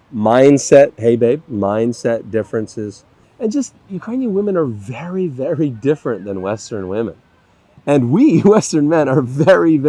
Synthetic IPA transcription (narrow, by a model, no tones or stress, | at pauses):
mãɪ̃ndsɛt̚heɪbeɪb̚mãɪ̃nd̥sɛt̚d̥ɪfɹɨ̃nsɪz̥ | ɨ̃nd͡ʒʌst̚jɨkʰãɪ̃ndɨwɪ̃mɨ̃nə˞vɛɹivɛɹidɪfɹɨ̃nðɨ̃nwɛstə̃˞nwɪ̃mɨ̰̃n | ɨ̃nwiwɛstə̃˞nmɛ̃nə˞vɛɹiv